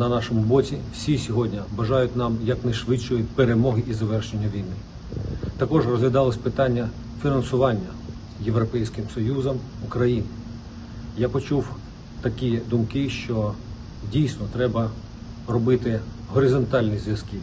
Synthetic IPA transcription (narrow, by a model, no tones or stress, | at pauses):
nɐnɑʃɔmʊbɔt͡sʲiwsʲisʲɔɦɔdʲnʲɐbɐʒɑjʊtʲnɑmjɐknɛʃʋɪt͡ʃːɔjʊt̚ʲpeɾemɔɦɪʔizɐʋɛrʃenʲːɐʋʲijnɪ | t̪ɐkɔʒrɔzʋʲɐd̪ɑlˠɐsʲpɪt̪ɑnʲːɐ | fʲinɐnsʊʋɑnʲːɐ | je̞ʋɾɔpɛjsʲkɪmsɔjuzɐmukɾɐjinɪ | japɔt͡ʃuw | t̪ɐkʲid̪ʊmkɪʃt͡ʃɔ | dʲijsʲnɔt̪ɾɛbɐ | rɔbɪt̪ɪ | ɦɔɾɪzɔnt̪ɑlʲnʲizʲʋʲjɐskɪ